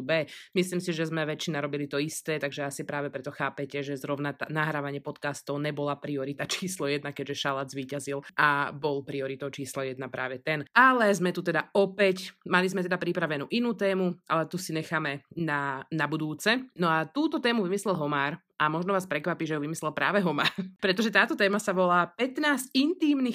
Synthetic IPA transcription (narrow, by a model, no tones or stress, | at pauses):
bɛːmisliːmsiʒɛzmɛʋɛt͡ʃːinaɾɔbilit̪ɔist̪ɛːt̪aɡʒɛasipɾaːʋɛpɾɛt̪ɔxaːpɛcɛʒɛzɾɔʊnat̪anaɦɾaːʋaɲɪɛpɔt̪kast̪ɔʊɲɛbɔlapɾiɔɾit̪at͡ʃiːslɔjɛd̪̚nakɛɟʒɛʃalazʋiːcazilʔabɔlpɾiɔɾit̪ɔʊt͡ʃiːslɔjɛd̪̚napɾa̰ːʋɛt̪ɛnalɛzmɛt̪ut̪ɛd̪aɔpɛcmalizmɛt̪ɛd̪apɾipɾaʋɛnṵːʔinuːt̪ɛːmuʔa̰lɛt̪usiɲɛxaːmɛnanabud̪uːt͡sɛnɔat̪uːt̪ɔt̪ɛːmuʋimislɛlɦɔmaːɾ | ʔamɔʒnɔʋaːspɾɛkʋapiːʒɛjuʋimislɛlˠpɾa̰ːʋɛɦɔmaːɾpɾɛt̪ɔʒɛt̪aːt̪ɔt̪ɛːmasaʋɔlaːpɛt̪naːzcint̪iːmnix